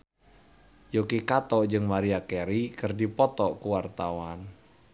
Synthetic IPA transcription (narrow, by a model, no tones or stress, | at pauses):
jokekat̪ɔʔɲd͡ʒɨŋmaɾiakeɾikərdipɔt̪ɔʔkuwart̪awan